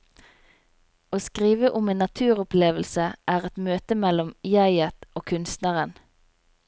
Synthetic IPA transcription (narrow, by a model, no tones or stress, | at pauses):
oːskʁiːʋəʔʊmeːnɑt̪ʰʉːʁʊpleːʋəlsəʔæːʁɛt̪møːt̪əmɛlɔmjæɪət̪ʔoːkʰʉnst̪nɑʁən